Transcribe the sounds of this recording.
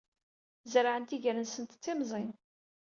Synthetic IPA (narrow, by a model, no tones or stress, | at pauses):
zɾaʕənt̪iʝəɾənsənt̪ə̥t͡sːimzˤin